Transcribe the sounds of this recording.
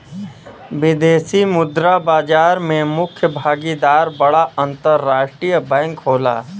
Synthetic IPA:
ʋɪd̪eːsimʊd̪ɾabaːd͡ʒaːɾmẽmʊkʰjəbʱaːɡid̪aːɾbɐɽaɐ̃nt̪əɾːaːʃʈɾijəbɛ̃ːŋkɦoːla̰ː

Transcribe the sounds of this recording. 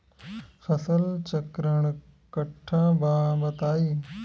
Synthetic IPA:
fʰɐsəlt͡ɕɐkɾəɳ̃ | kɐʈʰːãːbʱãːbɐt̪aːiː

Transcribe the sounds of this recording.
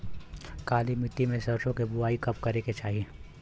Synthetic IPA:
kaːlimɪt̪ːimẽsɐɾt͡ʃõkibʊaːikɐpkɐɾeket͡ʃaːɦieː

